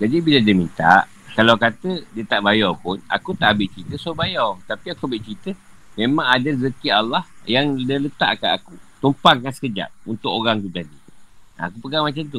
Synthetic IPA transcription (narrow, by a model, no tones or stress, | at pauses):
d͡ʒadibiladiəmint̪a̰ʔ | kalawkat̪ədiət̪aʔbajɔpʊna̰kut̪aʔbɪʔt͡ʃɾit̪əsobajɔwt̪apiakuabɪʔt͡ʃit̪ə | mẽmãŋadazəkialːahjaŋdələt̪a̰ʔkaakut̪umpaŋkansə̥kəd͡ʒa̰ʔ̚unt̪ʊkoɾaŋt̪ut̪adia̰kupəɡamat͡ʃamt̪u